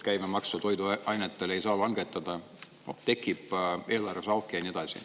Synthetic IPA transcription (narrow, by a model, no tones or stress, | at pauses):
kæjmemɑkst̪ɑt̪o̞jd̪uɑjnet̪ːˑelejsɑːlɑŋɡ̥et̪ːˑɑd̪̥ɑ | t̪e̞kːˑipːˑe̞ːlɑresɑlkːˑejɑnie̞d̪̥ɑsʲḭ